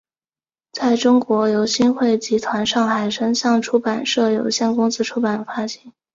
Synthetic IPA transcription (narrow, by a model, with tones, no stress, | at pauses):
t͡sa˥˩ɪʈ͡ʂʊ˥ŋkwɔ˧˥jo˧˥ʊɕi˥nxwe˥˩ɪt͡ɕi˧˥t̪ʰwa˧˥nʂɑ˥˩ŋxa˨˩ɪʂə˥ŋɕjɑ˥˩ŋʈ͡ʂʰu˥pa˨˩nʂɤ˥˩jo˨˩ʊɕjɛ˥˩nkʊ˥ŋsɹ̩˥ʈ͡ʂʰu˥pa˨˩nfa˥ɕi˧˥n